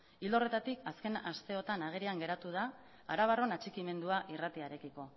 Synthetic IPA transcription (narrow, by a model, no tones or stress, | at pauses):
ild̪o̞re̞t̪at̪ikʰaske̞nast̪e̞o̞t̪anaɣ̞eɾiaŋɡe̞ɾat̪uð̞a̰ː | ɾaβ̞aro̞nat͡ʃikime̞nd̪uaʔirat̪iaɾe̞kiko̞